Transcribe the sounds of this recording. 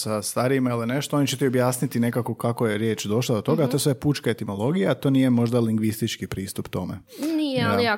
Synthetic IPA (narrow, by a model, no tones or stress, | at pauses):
sast̪aːɾiimailine̞ʃt̪oonit͡ɕet̪io̞bjaːsnit̪ine̞kako̞kako̞je̞ɾje̞ːt͡ʃd̪o̞ʃlˠad̪o̞t̪o̞ɡat̪o̞esʋejepuːt͡ʃkaet̪imolo̞ɡijaːt̪o̞niːjemo̞ʒd̪aliŋɡʋist̪it͡ʃkipɾiːst̪upt̪o̞mḛnijaia